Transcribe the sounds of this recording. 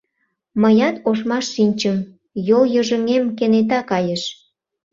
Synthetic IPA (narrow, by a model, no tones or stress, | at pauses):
məjɑt̪oʃmɑʃːinʲt͡ɕəm | joljøʒə̆ŋemkenet̪̬ɑkɑjəʃ